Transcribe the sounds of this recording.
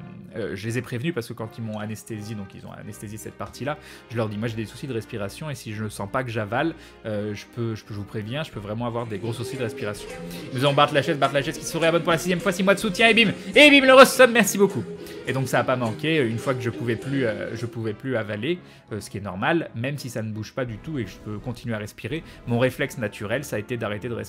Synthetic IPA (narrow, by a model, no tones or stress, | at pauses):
ø̰ʒəlezɛpχevnypaʁsəkəkɑ̃t̪ilmɔ̃anɛst̪ezid̪ɔ̃kilzɔ̰̃a̰nɛst̪ezesɛt̪̚paʁt̪ila | ʒəlœʁd̪imwaʒed̪esu̥sid̪əʁɛspiʁasjɔ̃esiʒənəsɑ̃pakəʒaval | øʒəpøʒəʒəvupχevjɛ̃ʒəpøvʁɛmɑ̃avwaʁd̪eɡʁosusid̪əʁɛspiʁasjɔ̃nuzavɔ̃baʁd̪laʃɛzbaʁt̪laʃɛzkʲisəʁɛabɔnpuʁlasizjɛmfwasimwad̪əsut̪jɛ̃ebimebimləʁəsɔnmɛʁsibokued̪ɔ̃ksaːpamɑ̃kʲeøynfwakəʒəpuvɛplyø̰ʒəpuvɛplyavale | øsə̥kʲiɛnɔʁmalmɛmsisanəbuʒpad̪yt̪uekəʒəpøkɔ̃t̪inɥeaʁɛspiʁe | mɔ̃ʁeflɛksnat̪ʰyʁɛlsaːet̪ed̪aʁet̪ed̪əʁɛs